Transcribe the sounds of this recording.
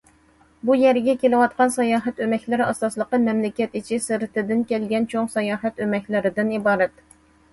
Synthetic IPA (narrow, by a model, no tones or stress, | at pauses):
bujɛɾɡʲɛkʲelɨwɑt̪̚qɑnsɑjɑːɦɛt̪ømɛkʲlɪɾɑsɑslˠəqəmɛmlɪkʲɛt̪it͡ʃʰisɨɾɨt̪ɪd̪ɪnkʲɛlɡʲɛnt͡ʃʰoŋsɑjɑːɦɛt̪ømɛkʲlɪɾɪd̪ɪnibɑːɾɛt̪